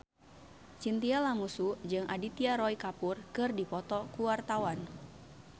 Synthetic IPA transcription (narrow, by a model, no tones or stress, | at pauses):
t͡ʃint̪ialamusud͡ʒɨŋʔadit̪iaɾɔikapurkɨrdipɔt̪ɔkuwart̪awan